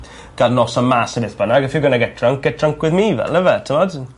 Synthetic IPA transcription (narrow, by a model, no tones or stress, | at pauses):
ɡ̥adnɔsəmasəbɪθb̥ənaɡəfɪɡənaɡɛt̚tʰraŋk̚ɡɛtʰraŋkwɪðmiːvɛ̰ləvɛtʰəmɔd